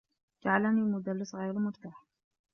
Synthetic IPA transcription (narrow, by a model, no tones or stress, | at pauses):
d͡ʒaʕalanilmʊd̪alːɪsɣajɾmʊɾt̪aːħ